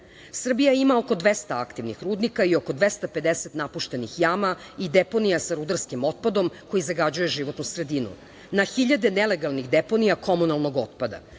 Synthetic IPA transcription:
sr̩bijaimaoko̞d̪ʋest̪aakt̪iʋnixɾuːd̪nikaio̞ko̞d̪ʋest̪ape̞d̪eset̪napuʃt̪e̞nixjaːmaid̪epo̞nijasaɾud̪aɾskimo̞t̪̚pad̪o̞mko̞jizaɡad͡ʑujeʒiʋo̞t̪nusɾe̞d̪inṵ | naxiʎad̪eneleɡalˠniɣd̪epo̞nijako̞munalˠno̞ɡo̞t̪̚pad̪a̰

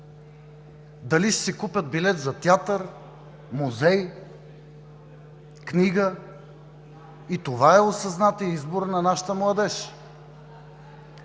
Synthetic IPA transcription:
d̪ɐliʃsɛkupʲət̪̚bilɛt̪zɐt̪ʲjat̪əɾ | muzɛj | knʲiɡə | it̪ovaɛosɐznat̪iizboɾnɐnaʃə̥t̪əmlˠɐd̪ɛʃ

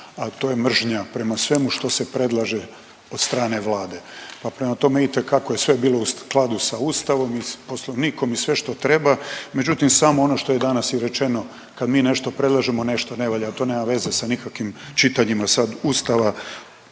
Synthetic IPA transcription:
at̪o̞ːjemr̩ʒɲapɾe̞masʋe̞muʃt̪o̞se̞pɾe̞d̪lˠaʒe | o̞d̪st̪ɾaːne̞ʋlaːd̪e̞papɾe̞mat̪o̞meit̪e̞kakoje̞sʋe̞biːlo̞usklˠad̪usauːst̪aʋo̞mipo̞slo̞ʋniːko̞misʋe̞ʃt̪o̞t̪ɾe̞bame̞d͡ʒut̪imsaːmoono̞ʃt̪o̞je̞d̪anasiɾe̞t͡ʃe̞no̞ | kad̪miːne̞ʃt̪o̞pɾe̞d̪lˠaʒemo̞ne̞ʃt̪oneʋoʎaat̪o̞neːmaʋe̞ze̞sanikakʋimt͡ʃit̪aɲimasad̪uːst̪aʋa

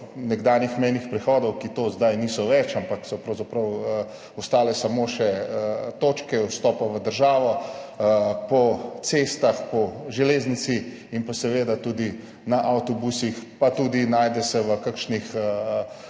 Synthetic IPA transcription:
nɛɡd̪aːnjixmɛjnixpɾɛxɔːd̪ɔwkit̪oːzd̪ajniːsɔʋɛt͡ʃampaksɔpɾɐwzapɾɐwə | ɔst̪aːlɛsamoʃɛət̪ot͡ʃkɛwst̪ɔːpaʋəd̪əɾʒaːʋɔ | pɔsest̪axpɔʒɛleːznisi | inpasɛʋeːd̪at̪ud̪i | naʔawt̪ɔbusixpat̪uːd̪inaːjd̪ɛsɛʋəkakʃnixə

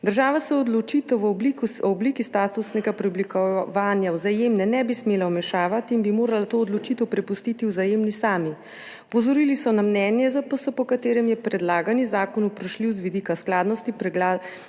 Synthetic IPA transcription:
d̪əɾʒaːʋasɛɔd̪lɔt͡ʃit̪ɔʋblikɔbliːkist̪aːt̪usnɛɡapɾɛɔblikɔʋaːnjawzajeːmnɛnɛbismeːlawmɛʃaːʋat̪iːnbimoːɾalat̪oːd̪lɔt͡ʃit̪ɛwpɾɛpust̪iːt̪iwzajemnisaːmi | ɔpɔzɔɾilisɔnamnɛnjɛzapɔsɔpɔkat̪eːɾɛmjɛpɾɛd̪laːɡanizaːkɔnupɾaʃliwzʋid̪iːkasklaːd̪nɔst̪ipɾɛɡla

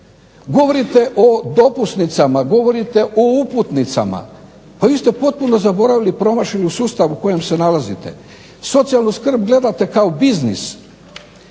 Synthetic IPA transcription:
ɡo̞ʋo̞ɾit̪e̞ʔo̞d̪o̞pusnit̪samaɡo̞ʋo̞ɾit̪e̞ʔouput̪nit̪sa̰ma̰ | paʋiːst̪e̞po̞t̪̚puno̞zabo̞ɾaʋilipɾo̞maʃiliusuːst̪aʋuko̞je̞mse̞nalazḭt̪e̞ | so̞t̪sijalˠnuskr̩bɡle̞d̪at̪e̞kao̞biznḭs

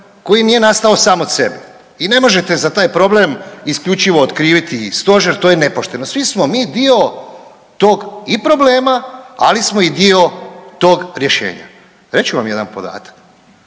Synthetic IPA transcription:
ko̞jinije̞nast̪ao̞saːmot̪sebe | ine̞mo̞ʒe̞t̪e̞zat̪aːjpɾo̞ble̞miskʎʲut͡ʃiʋo̞ːt̪kɾiːʋit̪ist̪o̞ʒeɾt̪o̞ːjene̞poʃt̪e̞no̞sʋismo̞miːd̪io̞ | t̪o̞ːɡipɾo̞ble̞ːmaa̰lismo̞id̪io̞t̪o̞ːɡɾje̞ʃḛːɲa̰ | ɾe̞t͡ɕuʋamje̞d̪anpo̞̰d̪a̰ːt̪ḁk

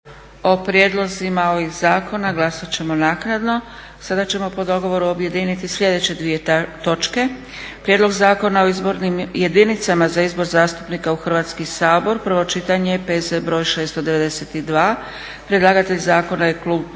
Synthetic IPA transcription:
o̞pɾje̞ːd̪lˠo̞zimaoʋizaːkʰo̞naɡlˠasat͡ɕe̞mo̞naːknad̪no̞ | sad̪at͡ɕe̞mo̞po̞d̪o̞ɡo̞ʋo̞ɾuo̞bje̞d̪iːnit̪isʎʲe̞d̪e̞t͡ɕe̞d̪ʋije̞t̪o̞t͡ʃke̞ | pɾjed̪lo̞ɡzaːko̞nao̞izbo̞ɾnimje̞d̪init̪samazaizbo̞ɾzaːst̪u̥pnikauxr̩ʋaːt̪skisaːbo̞ɾpr̩ʋo̞t͡ʃit̪aɲepeːzebɾo̞ːjʃe̞ːst̪od̪e̞ʋe̞d̪e̞set̪id̪ʋaː | pɾe̞d̪lˠaɡat̪e̞ʎzaːko̞najekluːb

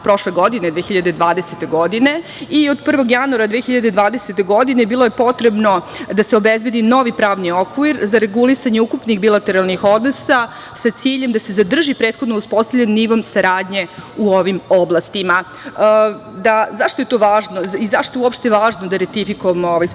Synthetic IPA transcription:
pɾo̞ʃleɡo̞d̪ine̞d̪ʋeːxiʎad̪ed̪ʋaːd̪eset̪e̞ɡo̞d̪ine̞ | iod̪pr̩ʋo̞ɡjanuaɾad̪ʋeːxiʎad̪e̞d̪ʋaːd̪eset̪e̞ɡo̞d̪ine̞biːlˠoje̞po̞t̪ɾebno̞d̪aseo̞bezbe̞d̪ino̞ʋipɾaːʋniokʋiɾzaɾe̞ɡulisaɲe̞ukupnixbilˠat̪eɾalˠnixo̞d̪nosa | sat̪siːʎemd̪ase̞zad̪r̩ʒipɾeːt̪xod̪nouspo̞st̪avʎʲenniʋomsaɾaːd̪ɲe̞uoʋimoblˠast̪ima | d̪azaʂt̪oe̞t̪o̞ʋaːʒnoizaʂt̪oeuopʃt̪eeʋaːʒnod̪aɾet̪ifikoamooʋaj

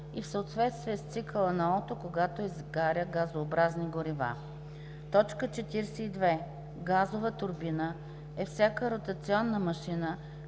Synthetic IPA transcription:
ifsəot̪vɛt̪st̪viɛst̪sikəlˠənɐɔt̪okoɡat̪oizɡaɾʲəɡazoːbɾazniɡoɾiva̰ | t̪ɔt͡ʃkət͡ʃɛt̪iɾsɛid̪vɛ | ɡazovət̪ʊɾbinə | ɛfsʲakəɾot̪ɐt̪siɔnːəmɐʃinə

